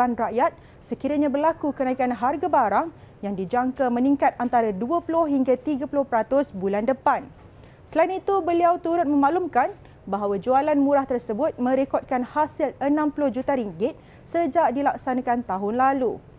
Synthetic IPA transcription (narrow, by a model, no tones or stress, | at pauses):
anraʔjat̪̚ | səkiɾaɲãbərlakukənãikanɦarɡabaɾaŋ | jaŋdid͡ʒaŋkamə̃niŋkat̪̚ant̪aɾaduapulʊhɦiŋɡat̪iɡapulʊhpəɾat̪ʊsbulandəpan | səlainit̪ubəliawt̪uɾʊt̪̚mə̃maʔlumkan | baɦawad͡ʒualanmũɾaht̪ərsəbʊt̪̚mə̃ɾekɔt̪̚kanhasilənãmpulʊhd͡ʒut̪aɾiŋɡɪt̪̚ | səd͡ʒaʔdilak̚sanãkant̪aɦʊnlalu